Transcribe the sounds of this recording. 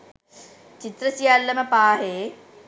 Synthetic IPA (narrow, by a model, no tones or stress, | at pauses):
t͡ʃit̪ɾɐsjaːlːɐmɐpaːɦe